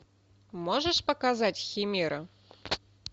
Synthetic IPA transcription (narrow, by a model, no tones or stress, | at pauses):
mɔʐəʂpɐkazat͡sʲxʲimʲiɾɐ